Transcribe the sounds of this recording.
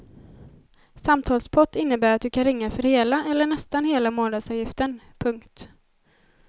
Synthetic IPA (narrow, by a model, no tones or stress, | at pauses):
samt̪ʰɑːlspʰɔt̪ːɪnːəbæːɾat̪̚d̪ɵkʰanɾɪŋːafœɾheːlaʔɛlːəɳɛst̪anheːlamoːnad̪sɑːvjɪft̪ən | pʰɵŋkt̪